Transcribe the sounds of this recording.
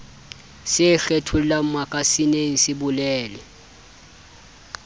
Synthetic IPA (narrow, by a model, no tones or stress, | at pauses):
sɪɬɛtʰullamakʼasineŋ̩sɪbulɛːlɛ